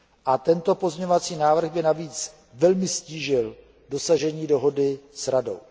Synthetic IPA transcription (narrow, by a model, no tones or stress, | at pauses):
ʔat̪ɛnt̪o̞po̞zɲɛɲovat͡siːnaːvr̩ɣbɪnaviːt͡s | vɛlmɪsciːʒɪl | do̞saʒɛɲiːdo̞ɦo̞dɪsɾado̰w